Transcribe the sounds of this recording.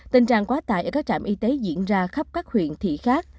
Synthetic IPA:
t̪i˧nt͡ɕa̰ː˧˨ŋkwaː˨˦t̪a̰ː˧˨jʔəː˧˩kaː˦˥k̚t͡ɕaː˧˨mʔi˧t̪e˨˦zḭ˧˨ənzaː˧xə˦˥p̚kaː˦˥k̚hwḭ˧˨ənt̪ʰḭ˧˨xaː˦˥k̚

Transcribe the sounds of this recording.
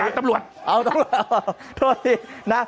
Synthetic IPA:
a˧nt̪a˧mlu˨˩ət̪̚ʔa˧˩t̪a˧m˨˩t̪̚a˧˩a˧˩t̪ʰo˧˩t̪ʰiː˧˩na˦˥

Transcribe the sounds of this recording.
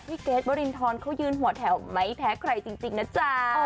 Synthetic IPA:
iː˦˥˩keː˦˥t̪̚bɔː˧ɾi˧nt̪ʰɔː˧nkʰa˦˥wjɯː˧nɦu˨˩˦ɐ˦t̪ʰɛ˨˩˦wma˦˥jp̪ʰɛː˦˥kʰɾa˧jt͡ɕi˧ŋt͡ɕi˧ŋna˦˥t͡ɕa˦˧˩

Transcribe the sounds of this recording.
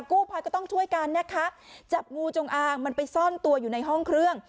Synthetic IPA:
kuː˥˩pʰaː˧jkɔː˥˩t̪ɔ˥˩ŋt͡ɕʰu˥˩əjka˧nːa˥˩kʰa˦˥ʔt͡ɕa˨˩p̚ŋuː˧t͡ɕo˧ŋʔaː˧ŋma˧npa˧jsɔ˥˩nt̪u˧ɐjuː˨˩na˧jɦɔ˥˩ŋkʰɾɯ˥˩əŋ

